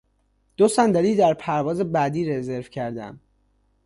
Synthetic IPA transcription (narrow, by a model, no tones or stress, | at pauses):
d̪̥osænd̪æɾiːd̪æɾpʰæɾvɒːze̞bæd̪iːɾeze̞ɾvcʰæɾd̪æ̰m